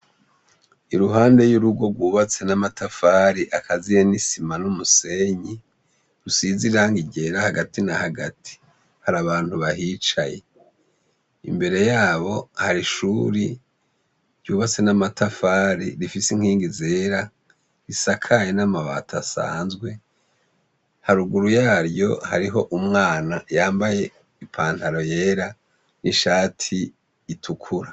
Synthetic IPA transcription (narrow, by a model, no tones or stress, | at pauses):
iɾuɦaːnde̞juɾuɡwo̞ɡwuːβat͡se̞namatʰafaːɾiʔakʰazijenisimanumuse̞ɲi | ɾusiziɾaːŋɡiɟe̞ɾahaɡatinahaɡatʰi̥ | haɾaβaːnhuβahiːt͡ʃaje̞̰ | ḭmbe̞ɾe̞jaːβo̞haɾiʃuɾi | ɾjuːβat͡se̞namatʰafaːɾḭɾifisiŋ̥hiːŋɡizeːɾa | ɾisakʰajenamaβa̰tʰasa̰ːnzɡwe̞ | haɾuɡuɾujaːɾjo̞haɾiɦo̞ʔumŋaːnajaːmbaje̞ | ipʰaːn̥haɾo̞je̞ːɾa | niʃaːtʰiː | tʰukʰuɾa